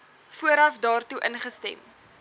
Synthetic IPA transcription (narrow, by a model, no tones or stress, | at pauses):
fuəɾɐfdɑːrtuʔənχəstɛ̰m